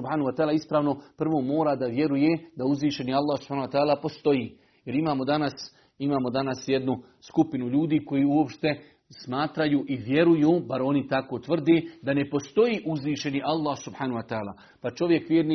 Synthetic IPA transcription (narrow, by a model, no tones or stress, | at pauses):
ubhaːnuʋat̪aːlaispɾaːʋno̞pr̩ʋo̞ːmo̞ːɾaːd̪aʋje̞ɾuje̞d̪auzʋiːʃe̞nialˠːaːhsub̥ħaːnuat̪aːlaːpost̪o̞jiː | je̞ɾimaːmo̞d̪anas | imaːmo̞d̪anasje̞d̪nu | skupinuʎuːd̪iːko̞jiːuopʃt̪e̞ | smaːt̪ɾajuːʔiʋje̞ɾujuːbaɾo̞nit̪akoːt̪ʋr̩d̪eːd̪ane̞po̞st̪o̞jiːʔuzʋiːʃe̞niʔalˠːaːhsubħaːnuwat̪aːla̰ː | pat͡ʃo̞ʋje̞kʋjeːɾni